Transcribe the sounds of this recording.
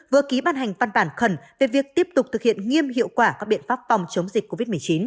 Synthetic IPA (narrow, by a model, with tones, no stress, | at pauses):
vɨ˨əki˨˦ɓaː˧nɦa˨˩jŋ̟va˧nɓaː˧˩nxə˧˩nve˨˩vi˨˩ək̚t̪i˦˥əp̚t̪ʊ˨˩k͡p̚t̪ʰɨ˨˩k̚hḭ˧˨ənŋi˧əmɦḭ˧˨əwkwaː˧˩kaː˦˥ɓḭ˧˨ənfaː˦˥p̚fa˨˩wŋ͡mt͡ɕə˨˦wŋ͡mzi˨˩ko˧vi˦˥t̚m˨˩ət͡ɕi˨˦n